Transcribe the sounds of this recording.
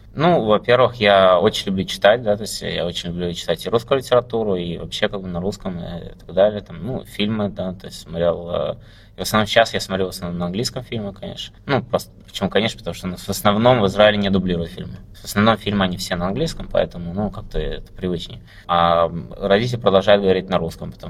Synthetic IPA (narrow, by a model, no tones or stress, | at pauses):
nuvɐpʲervɨxjao̞t͡ɕɪnʲlʲʊblʲut͡ɕɪ̥t̪at̚ʲd̪at̪o̞ɪsʲtʲja̰o̞t͡ɕɪnʲlʲʊblʲut͡ɕɪ̥t̪atʲɪɾuskʊjʊlʲɪtʲɪɾɐt̪uɾʊivɐpɕːe̞kaɡ̚bɨnɐɾuskəmɨ̰t̪ɐɡd̪alʲɪjət̪amnṵfʲilʲmɨd̪at̪o̞ɪstʲsmɐt̪ɾʲelˠə̰ | ɪvəsnɐvnomɕasjasmɐt̪ɾʲelˠvəsnɐvnomnəɐnɡlʲijskəmfʲilʲmɪkɐnʲḛʂnənupɾost̪əpə̥t͡ɕɪmukɐnʲeʂnəpət̪ɐmuʂt̪onusvəsnɐvno̞mvɨzɾaɪlʲɪnʲɪd̪ʊblʲiɾʊjʊt̪fʲḭlʲmɨ | vəsnɐvno̞mfʲilʲmɨɐnʲifsʲenəɐnɡlʲijskəmpɐ̰ɛ̰t̪əmʊnukak̚t̪əɛ̰t̪ə̥pɾʲɪvɨt͡ɕnʲɪ̰jə | aɾɐdʲitʲɪlʲɪpɾəd̪ɐlˠʐajɪd̪̚ɡəvɐɾʲitʲnɐɾuskəmpət̪ɐ